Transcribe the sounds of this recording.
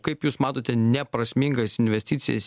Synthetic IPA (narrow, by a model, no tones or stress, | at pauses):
kɐɪpjuːsmɑːt̪oːt̪ʲɛnʲɛpɾɐsʲmʲɪŋɡɐsɪnʲʋʲɛsʲt̪ʲiːtsʲɪjɛ̰s